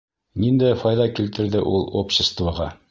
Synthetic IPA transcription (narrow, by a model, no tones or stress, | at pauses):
nind̪æfɑjðɑkilt̪ɘ̆ɾðɘʔulˠopɕɪst̪vɑʁɑ